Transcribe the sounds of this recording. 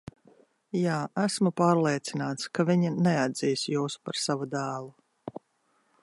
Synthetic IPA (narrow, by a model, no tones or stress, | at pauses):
jaːʔæsmupaːɾlˠeɛt̪sinaːt̪skaviɲinɛad̪z̥iːsjuːspaɾsavud̪æːlˠu